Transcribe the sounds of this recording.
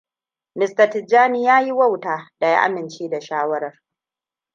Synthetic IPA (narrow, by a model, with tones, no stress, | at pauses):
nɪ˨stɐ˨tɪ˨d͡ʒaː˦ni˦jaː˦ji˦wɐ˦˨wtaː˨da˨ja̰˦ʔa̰˦mɪ˨nt͡ʃeː˦da˨ʃaː˦wɐ˦ɾɐ˨r